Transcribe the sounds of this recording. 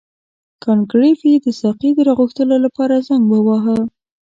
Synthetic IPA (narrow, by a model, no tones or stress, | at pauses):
kɑnkɾifid̪əsɑqid̪əɾɑɣuxt̪əlolapɑɾazaŋɡbawɑɦə